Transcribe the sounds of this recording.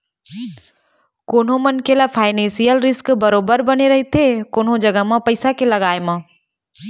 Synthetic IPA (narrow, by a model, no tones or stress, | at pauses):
koːnɦõmɐnkelapʰaːɪnẽːnsijəlɾɪskbɐɾoːbəɾbɐneɾɐɦet̪ʰekoːnɦõd͡ʒɐɡəmãpɐɪsakelɐɡaːemã